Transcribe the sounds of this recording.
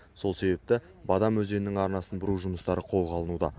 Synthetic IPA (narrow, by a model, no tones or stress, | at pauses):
so̞lˠse̞be̞p̚t̪ɪ | bɑd̪ɑmwɵze̞nɪnɪŋɑɾnɑsənbʊɾuʒʊməst̪ɑɾəqʰo̞lˠʁɑlˠənud̪ɑ̰